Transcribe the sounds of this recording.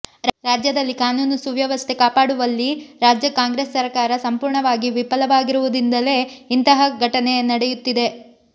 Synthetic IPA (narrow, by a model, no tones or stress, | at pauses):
ɾaːd͡ʒjɐd̪ɐlːikaːnuːnusuʋjɐʋɐst̪ʰe̞kaːpaːɽuʋɐlːiɾaːd͡ʒjɐkaːŋɡɾeːsːɐɾkaːɾɐsɐmpuːɾɳɐʋaːɡiʋipɐlɐʋaːɡiɾuʋud̪ind̪ɐle̞int̪ɐɦɐɡʱɐʈɐnenɐɽejut̪ːid̪e̞